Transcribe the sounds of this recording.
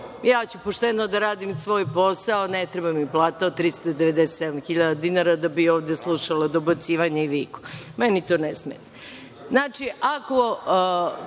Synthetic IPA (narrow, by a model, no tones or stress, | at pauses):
jaːt͡ɕupoʂt̪enod̪aɾaːd̪imsʋo̞ːjpo̞saonet̪ɾebamiplˠaːt̪aot̪ːɾist̪od̪eʋed̪eset̪sed̪amxiʎad̪ad̪inaɾad̪abioːʋd̪eslˠuʃalˠad̪o̞bat̪siːʋaɲeiʋiːku̥menit̪o̞ːnesmet̪a | znaːt͡ʂiʔako